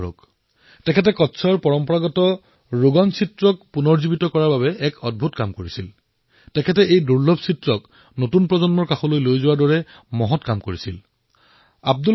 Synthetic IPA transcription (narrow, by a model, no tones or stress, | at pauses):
o̰k | tɛkʰɛt̬ɛkɔtːsʰɔɹpɔɹɔmpɔɹaɡɔtɔ | ɹuɡɔnsitɹɔk̚punɔɹzibitɔkɔɹaɹbabɛʔɛkɔd̚bʱutkamkoɹisil | tɛkʰɛtɛʔejduɹlɔbsitɹɔk | notunpɹɔzɔnmɔɹkaxɔlojlojzʊwaɹdɔɹɛ | mɔɦɔtkamkoɹisil | a̰b̚du